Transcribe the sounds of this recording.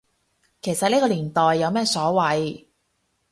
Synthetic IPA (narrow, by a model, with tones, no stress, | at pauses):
kʰe˨˩jsɐ˨neː˥kɔː˧liː˨˩nt̪ɔː˨jːɐ˨˧wmɛː˥sɔː˨˥wɐ˨˧j